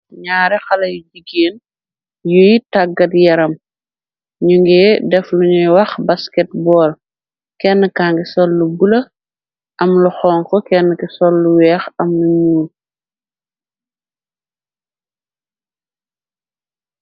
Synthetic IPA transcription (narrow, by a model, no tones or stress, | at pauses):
ɲaːɾɛxɐlɐjuɟiɡeːn | jujitaɡɐtjɐɾɐm | ɲuŋɡɛːdɛfluɲujwɐxbɐskɛt̚bɔːl | kɛnːəkaːŋɡisɔlːubulɐ | ʔɐmluxɔːŋkɔkɛnːəkisɔlːuwɛːxɐmluɲuːl